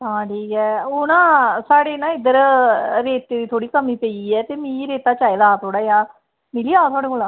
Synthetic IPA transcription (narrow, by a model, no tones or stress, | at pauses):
ãːʈʰiːkɛːoːnãːsaːɽeːnãːɪd̪əɾɾeːt̪ːeːd̪iːt̪ʰoːɽiːkəmĩːpeːiɛːt̪eːmĩːɾeːt̪aːt͡ʃaːeːd̪aːt̪ʰoːɽaːjaː | mɪliaːt̪ʰʊaːɽeːkolãː